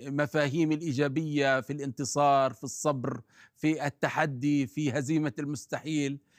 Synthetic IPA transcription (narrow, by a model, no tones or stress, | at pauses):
mafaːɦiːmɪlʔiːd͡ʒaːbɪjːafilʔɪnt̪ɨsˤɑːɾˤfisˤːɑbɾfiʔɪt̪ːaħad̪ːifiɦaziːmalmʊst̪aħiːl